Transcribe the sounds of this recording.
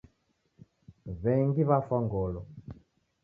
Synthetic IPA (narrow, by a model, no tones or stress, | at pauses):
βɛŋɡiβafɔŋɡɔlɔ